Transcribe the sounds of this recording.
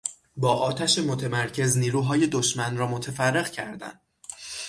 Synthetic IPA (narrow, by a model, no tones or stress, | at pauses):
bɒːʔɒːt̪ʰæʃemo̞t̪ʰe̞mæɾcʰe̞zniːɾuːɦɒːje̞d̪oʃmænrɒːmot̪ʰefærːe̞ɣcʰæ̰ɾd̪æ̰nd̪̥